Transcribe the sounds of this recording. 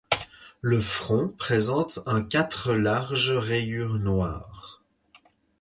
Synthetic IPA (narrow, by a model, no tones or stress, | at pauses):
ləfχɔ̃pχezɑ̃t̪ɛ̃kʲat̪χəlaʁʒʁejyːʁnwa̰ːʁ